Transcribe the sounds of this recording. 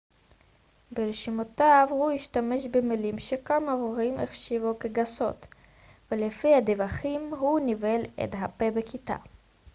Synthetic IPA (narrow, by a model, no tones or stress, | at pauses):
beɾeʃimotavhuiʃtame̞ʃbemilimʃekamavoʁimḛχʃivokeɡaso̞̰t̪ | velefihad̪evaχimɦunivelḛdɦapebekita̰